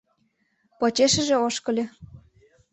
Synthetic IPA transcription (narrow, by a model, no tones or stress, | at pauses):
pot͡ɕeʃə̆ʒĕoʃkɤ̆lʲĕ